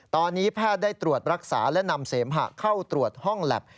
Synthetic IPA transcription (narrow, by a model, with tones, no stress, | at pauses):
t̪ɔː˧nːiː˦˥pʰaː˥˩t̪̚daː˥˩t̪ɾu˨˩ət̪̚ɾa˦˥k̚sa̰ː˩˦lɛ˦˥na˧mseː˩˦mɦa̰˨˩kʰa˥˩wt̪ɾu˨˩ət̪̚hɔ˥˩ŋlɛ̰˨˩p̚